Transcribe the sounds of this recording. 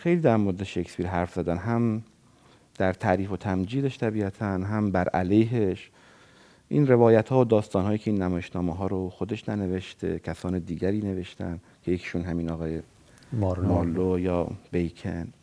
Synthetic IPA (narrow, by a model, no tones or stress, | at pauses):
xe̞jliːd̪æɾmoɾed̪eʃekspiːɾɦæɾfz̥æd̪ænɦæm | d̪̥æɾt̪ʰæʔɾiːfo̞t̪ʰæmd͡ʒiːd̪eʃt̪ʰæbiːæt̪ʰænɦæmbæɾʔælejɦeʃ | ʔḭnre̞vɒːjæt̪hɒːod̪ɒːst̪ɒːnɦɒːjiːkʰeiːnːæmɒːjeʃnɒːmeɦɒːɾoxod̪e̞ʃnæne̞ve̞ʃt̪ʰe̞̰cʰæsɒːned̪iːɟæɾiːne̞ve̞ʃt̪æ̰n | kʰejecʰe̥ʃunɦæmiːnɒɣɒːje | mmɒːlːojɒːb̥ejkʰḛn